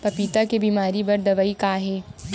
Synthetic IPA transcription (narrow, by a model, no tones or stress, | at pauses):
pɐpiːt̪akebiːmaːɾibɐɾd̪ɐʋəikaːɦɛː